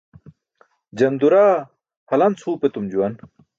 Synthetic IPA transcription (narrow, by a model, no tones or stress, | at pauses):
d͡ʑɐnd̪uɾaː | hɐlɐnt͡sʰhuːpet̪umd͡ʑuwɐn